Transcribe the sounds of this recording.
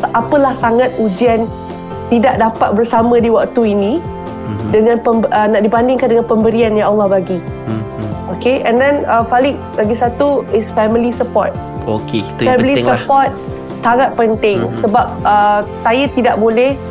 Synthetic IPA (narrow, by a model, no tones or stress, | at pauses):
ʔapəlahsaŋãt̪̚ud͡ʒian | t̪idaʔ̚dapat̪̚bərsamə̃diwak̚t̪uinĩ | dəŋãnpəmbənaʔdibandɪŋkandəŋanpəmbəɾianjaalːɑhbaɡi | okeɛ̃ndɛnəfalɪk̚baɡisat̪uɪsfɛmilisəpɔt̪̚ | okefɛmilisəpɔrt̪̚ | taŋat̪̚pənt̪ɪŋsəbap̚əsajat̪idaʔ̚bolɛh